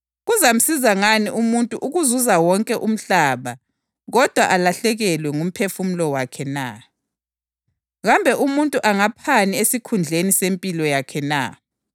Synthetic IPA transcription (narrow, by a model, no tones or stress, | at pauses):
ɣuzam̩sizaŋaniʔumuntʼuʔuɣuzuzawɔŋkʼɛʔum̩ɬaβa | ɣɔd̥ʱwaʔalaɬɛɣɛlwɛŋum̩pʰefum̩lɔwakʰɛna̰ | ɣambʱɛʔumuntʼuʔaŋapʰaniesikʰund͡ɮʱenisempʼilɔjakʰɛna̰